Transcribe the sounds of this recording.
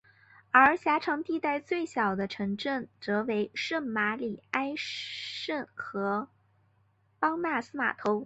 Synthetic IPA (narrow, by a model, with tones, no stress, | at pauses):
ə˞˧˥ɕja˧˥ʈ͡ʂʰɑ˧˥ŋt̪i˥˧t̪a˥˧ɪt͡swe˥˩ɪɕjɑ˨˩ʊd̪ə˦ʈ͡ʂʰɤ˧˥ŋʈ͡ʂə˥˩nt͡sɤ˧˥we˧˥ɪʂə˥˩nma˧˥li˨˩a˥ɪʂə˥˩nxɤ˧˥ | pɑ˥ŋna˥˩sɹ̩˥ma̰˨˩t̪ʰo˧˥ʊ